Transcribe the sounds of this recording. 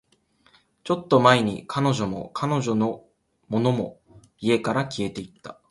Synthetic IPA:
t͡ɕo̞t̪ːo̞maeɲ̟ḭkʰano̞ʑo̞mo̞̰kʰano̞ʑo̞no̞ | mo̞no̞mo̞ | ie̞kaɾakʲie̞t̪e̞it̪ːḁ

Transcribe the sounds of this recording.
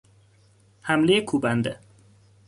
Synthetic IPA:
hæmlejekʰuːbænd̪e

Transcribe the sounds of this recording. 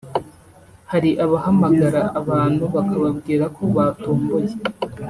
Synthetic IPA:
haɾiʔaβahamaɡaɾaːβaːn̥huβakaβab̚ɡiːɾakʰo̞βatoːmboje

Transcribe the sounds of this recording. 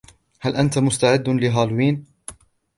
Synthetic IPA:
halʔant̪amʊst̪aʕɪd̪ːlɪɦaːlwiːn

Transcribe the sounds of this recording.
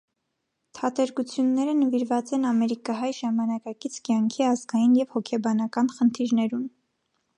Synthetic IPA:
t̪ʰɑt̪ɛɾkut͡sʰjunːɛɾənəviɾvɑt͡sɛnɑmɛɾikɑɦɑjʒɑmɑnɑkɑkit͡sʰkjɑŋkʰiɑzɡɑjinjɛvhɔkʰɛbɑnɑkɑnχənt̪ʰiɾnɛɾum

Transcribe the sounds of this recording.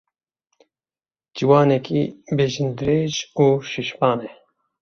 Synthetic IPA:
d͡ʒiwɑːnɛkʰibeːʒind̪ɨɾeːʒuːʃiʃpɑːnɛ

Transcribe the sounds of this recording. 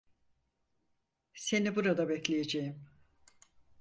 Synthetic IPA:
se̞nibuɾad̪abɛclʲejed͡ʒejim

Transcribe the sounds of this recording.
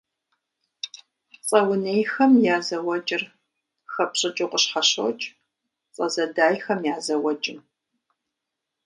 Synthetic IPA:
t͡sʼɐwʊnejxɐmjaːzɐwɐt͡ʃʼɪr | xɐpɕʼɨt͡ʃʼʊqʷʼəɕħɐɕo̰t͡ʃʼ | t͡sʼɐzɐdaːjxɐmjaːzɐwɐt͡ʃʼɪ

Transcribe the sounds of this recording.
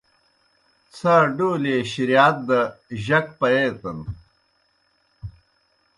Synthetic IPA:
t͡sʰaɖoːleɕiɾijaːt̪̚d̪ɐʑɐkpɐjejt̪ɐn

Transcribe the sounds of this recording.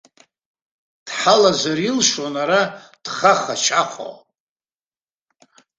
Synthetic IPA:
d̥ħalazarilʂwanaɾad̥χaχat͡ʃʰaχʷʰo̰

